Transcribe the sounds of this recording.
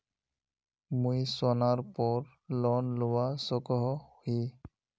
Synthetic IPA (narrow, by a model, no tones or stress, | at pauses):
mujswanaɹpɔɹ | lɔnlʊwasɔkɔɦɔhi